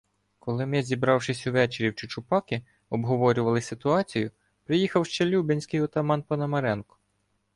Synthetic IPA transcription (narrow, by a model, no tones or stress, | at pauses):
kɔlˠɪmɛzʲibɾɑwʃɪsʲʊʋɛt͡ʃeɾʲiwt͡ʃʊt͡ʃʊpɑkɪ | ɔbɦɔʋɔɾʲʊʋɐlˠɪsɪt̪ʊɑt͡sʲijʊ | pɾɪjixɐwʃt͡ʃɛlʲubɪnʲsʲkɪjɔt̪ɐmɑnpɐnɐmɐɾɛnkʊ̥